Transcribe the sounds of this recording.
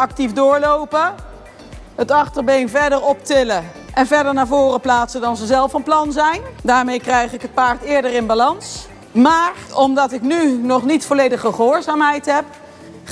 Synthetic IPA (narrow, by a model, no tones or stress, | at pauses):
ʔɑk̚tifdʊːɹlowpə | ɦətɑχtəɹbejnvɛɹdəɹɔptɪlə | ʔɛnvɛɹdəɹnaːɹvʊːrəplaːtsədɑnzəzɛlˠfənplɑnzɛjndaːɹmejkrɛjχɪkɦət̚paːɹtɪːɹdərɪnbalɑns | maːrɔmdɑtɪknynɔχnitfɔlejdəχəχəɦʊːɹzaːmɦɛjtɦɛp̚